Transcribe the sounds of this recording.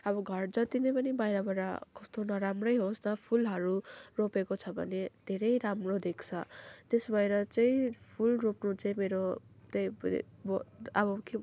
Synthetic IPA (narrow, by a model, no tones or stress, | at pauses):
ʌbʌɡʱʌrd͡zʌt̪inʌpʌnibajɾʌbʌɾa̰kʌst̪onʌɾamrʌjɦostʌpʰulɦʌɾuropekot͡sʰʌbʱʌ̰ned̪̥ʱeɾʌjɾamrod̪ekt͡sʰʌt̪esbajɾʌt͡saĩpʰulropnut͡saĩmeɾo | t̪ejbʌbʌke